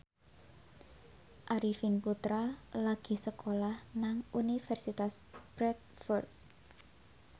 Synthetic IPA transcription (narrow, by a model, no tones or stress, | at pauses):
ʔaɾifinput̪ɾalaɡ̥i̤səkʰolahnaŋunifɛrsit̪asb̥ɾɛk | fɔrt̪̚